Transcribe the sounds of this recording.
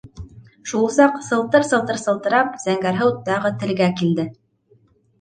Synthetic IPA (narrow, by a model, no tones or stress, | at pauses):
ʃulˠsɑqsɤ̆lˠt̪ɤɾsɤ̆lˠt̪ɤ̆ɾsɤ̆lˠt̪ɤ̆ɾɑp̚zæŋɡæɾɦɤwt̪ɑʁɤt̪ɘ̆lɡækild̪ɘ